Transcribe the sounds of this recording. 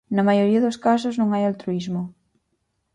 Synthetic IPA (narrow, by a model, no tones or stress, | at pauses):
nɐmajoɾiɐðoskas̬oznõŋajalt̪ɾuizmo